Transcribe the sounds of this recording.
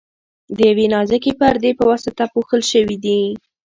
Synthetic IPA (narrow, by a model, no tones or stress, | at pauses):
d̪əjawenɑzakepəɾd̪epəwasat̪apuxəlʃəwid̪i